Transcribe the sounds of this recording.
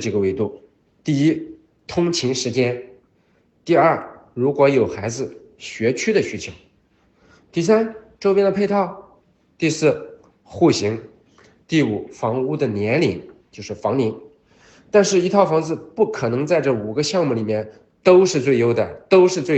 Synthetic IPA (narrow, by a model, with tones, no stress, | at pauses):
ʈ͡ʂi˧˩ɡə˧we˧˥ɪt̪u˥˩ | t̪i˥˩i˥ | t̪ʰʊ˥ŋt͡ɕʰi˧˥ŋʂɻ̩˧˥t͡ɕjɛ˥n | t̪i˥˧ɐ˞˥˩ɻu˧˥kwɔ˧˥jo˨˩ʊxa˧˥ɪd͡zɹ̩˧ | ɕɥɛ˧˥t͡ɕʰy˥d̪ə˨ɕy˧˥t͡ɕʰjo˧˥ʊ | t̪i˥˩s̬a˥nʈ͡ʂo˥ʊpjɛ˥nd̪ə˧pʰe˥˧ɪt̪ʰɑ˥˩ʊ | t̪i˥˧sɹ̩˥˩ | xu˥˩ɕi˧˥ŋ | t̪i˥˩u˨˩fɑ˧˥ŋu˥˩d̪ə˨njɛ˧˥nli˨˩nt͡ɕjo˥˧ʊʂɻ̩˥˩fɑ˧˥ŋli˧˥ŋ | t̪a˥˧nʂɻ̩˥˩i˧˥t̪ʰɑ˥˩ʊfɑ˧˥ŋd͡zɹ̩˧pu˥˩kʰɤ˨˩nɤ˧˥ŋt͡sa˥˧ɪʈ͡ʂɤ˥˩u˨˩ɡə˦ɕjɑ˥˧ŋmu˥˩li˨˩mjɛ˥˧˩n | t̪o˥ʊʂɻ̩˥˧t͡swe˥˩ɪjo˥ʊd̪ə˧t̪o˥ʊʂɻ̩˥˧t͡swe˥˩